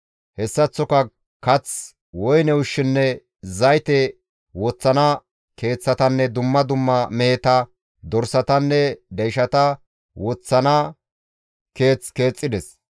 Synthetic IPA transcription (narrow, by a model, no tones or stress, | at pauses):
hɛsːɐt͡sːɔkɐ | kɐt͡s | wɔjnɛwʊʃːɪnːɛ | zɐjt̪ɛ | wɔt͡sːɐnɐ | ke̞ːt͡sːɐt̪ɐnːɛd̪ʊmːɐd̪ʊmːɐmɛjɛt̪ɐ | d̪ɔɾsɐt̪ɐnːɛd̪ɛjʃɐt̪ɐ | wɔt͡sːɐnɐ | ke̞ːt͡ske̞ːt͡sʼːɪd̪ɛs